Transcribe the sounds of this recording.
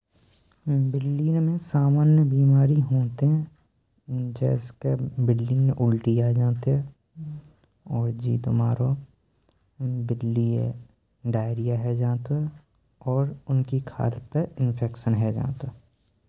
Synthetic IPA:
bɪlːiːnmẽsaːmaːnjəbiːmaːɾiɦõːt̪eɦɛ̃ | d͡ʒɛ̰ːskebɪlːiːnʔʊlʈiaːd͡ʒãːt̪eɦɛ̃ | ɔːɾd͡ʒḭːt̪omaːɾo | bɪlːiḛ | ɖaːɪɾijaɦɛd͡ʒaːt̪oɦɛ | ɔːɾʊnkikʰa̰ːlpeɪnpʰeːkʃənɦɛd͡ʒã̰ːt̪oɦɛː

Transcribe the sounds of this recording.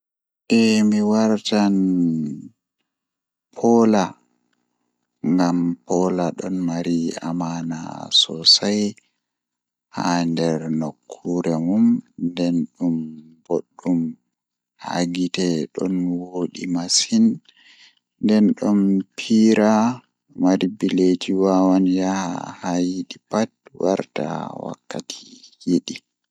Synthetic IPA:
ʔɛmiwaɾtan | pʰɔla | ŋɡampɔlaɗɔnmaɾia̰mana̰sɔsaj | ha̰ndɛɾnokʰːuɾɛmumndɛnɗumboɗːum | ha̰ɡitɛɗɔnwoɗimasin | dɛnɗɔmpʰiɾa | maɾibiled͡ʒiwawanjahahajiɗipat̚wʔa̰ɾta̰wa̰kːatʰi̥jeɗi

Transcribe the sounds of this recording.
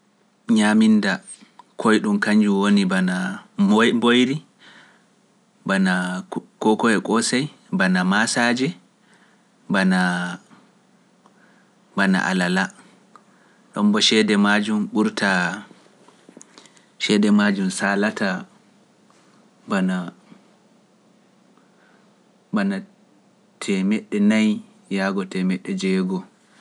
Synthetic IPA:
ɲaminda | kʰɔjɗumkaɲd͡ʒuwonibana | mbojɾi | banakɔkɔɛkʼɔsaj | banamasaːd͡ʒɛ | bana | bana̰ʔa̰lala | ɗɔ̰mbɔʃɛdɛmad͡ʒumɓuɾtʰa | ʃɛdɛmad͡ʒumsaːlata | bana | bana | tʰɛmɛɗːɛnaj | jaɡɔtɛmɛɗːɛd͡ʒɛːɡɔ

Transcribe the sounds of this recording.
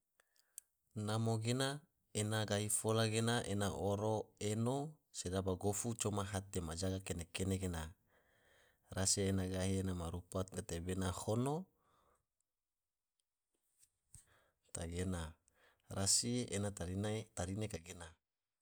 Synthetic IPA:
namoɡena | enaɡaɦifolaɡenaʔenaʔoɾoeno | sedabaɡofut͡ʃomaɦat̪emad͡ʒaɡakenekeneɡena | rasienaɡaɦienamaɾupat̪̚ɡat̪ebenahono | t̪aɡena | rasienat̪ait̪aɾinekaɡena

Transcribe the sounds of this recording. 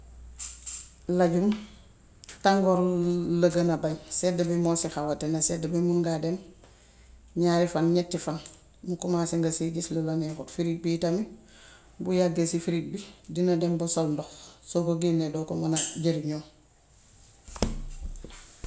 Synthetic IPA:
laɟum | taŋɡoɾlɐɡanabajsedabimosixawatenasedabimuŋɡaden | ɲaɾifanɲetːifan | mukumaːsiŋɡasiɡisliloɲekutfiɾik̚bitami | bujaɡesifiɾik̚bidinadembusolndɔxsokoɡinedoːkomanaɟeɾiɲoː

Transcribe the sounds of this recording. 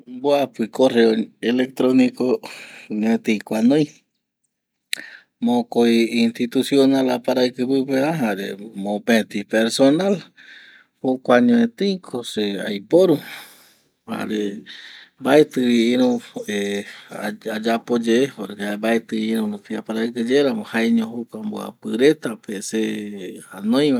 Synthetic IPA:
boapikoreoelek̚t̪ɾonikoɲõẽt̪ikʷanoj | mõkoiint̪it̪usjonalapaɾaikɨpɨpeaɦaɾḛmõpẽt̪ipeɾsonal | pokʷaɲõẽt̪iikʰosea̰jpoɾu | ha̰ɾe | baet̪ɨiiɾũe | ad͡ʒapod͡ʒeehoɾekabaet̪ɨiiɾũɾupiapaɾajkɨd͡ʒeɾamohaeɲõhokʷamboa̰pɨɾet̪apeseanõj̃wa

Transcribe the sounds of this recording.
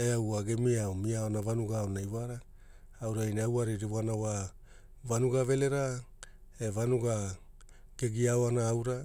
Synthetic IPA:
eawaɡemiaomiaoonavanuɡaonajvaɾa | awɾajneawaɾiɾivoanawa | vanuɡave̞le̞ɾa | evanuɡa | ɡ̥e̞ɡiaoanaːwɾa

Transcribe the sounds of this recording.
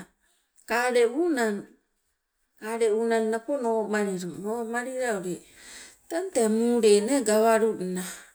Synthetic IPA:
kaɾeunan | kaɾeunannaponoːmaɾiɾonomaɾiɾaoɾe | tantemuɾeneɡaβaɾuna

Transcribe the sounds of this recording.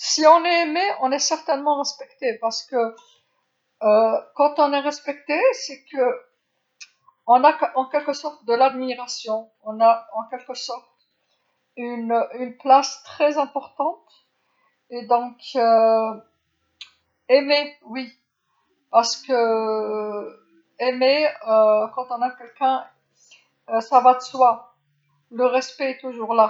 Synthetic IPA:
siɔ̃nɛemeɔ̃nɛsɛʁt̪ɛnmɑ̃ʁɛspɛkt̪epaʁsə̥kə | kɑ̃t̪ɔ̃nɛʁɛspɛk̚t̪esɛkə | ɔ̃naɑ̃kʲɛlkəsɔʁt̪d̪əlad̪miʁasjɔ̃ | ɔ̃naɑ̃kʲɛlkəsɔʁt̪ | ynynplast̪χɛzɛ̃pɔʁt̪ɑ̃t̪ | ed̪ɔ̃kø | emewi | paʁsə̥kə | emeøkɑ̃t̪ɔ̃nakʲɛlkʲɛ̃ | savad̪əswa | ləʁɛspɛɛt̪uʒuʁla

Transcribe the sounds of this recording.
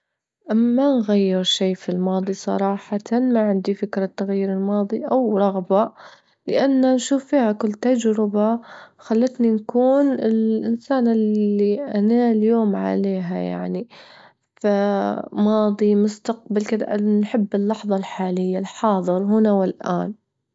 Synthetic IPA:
ʔamːanɣajːɪɾʃiːfilmɑːðˤisˤɑ̰ɾˤɑːħɑt̪anmaʕɪnd̪ifɪkɾat̪ːaɣjiːɾɪlmɑːðˤiʔawɾˤɑɣba | lɪʔanːanʃuːfːiːhakʊlːt̪ad͡ʒɾɪbaxalːat̪ninkuːnɪlʔɪnsaːnɪlːiʔanaljoːmʕa̰leːɦaja̰ʕni | famɑːðˤimʊst̪aq̚balkɪd̪a̰ʔnħɪbːɪlːɑħðˤɑlħaːlɪjːalħɑːðˤɨɾɦʊnawɪlʔa̰ːn

